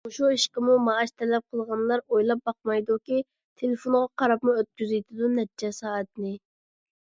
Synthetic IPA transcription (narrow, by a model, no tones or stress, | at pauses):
uʃuiʃqəmumɑːʃt̪ʰɛlɛp̚qʰəlˠʁɑnlˠɑɾojlˠɑp̚bɑqmɑjd̪ukʲi | t̪ʰelefonʁɑqʰɑɾɑpmuøt̪̚kʲyzɪjt̪ʰɪd̪unɛt̪t͡ʃʰɛsɑːɛt̪nɪ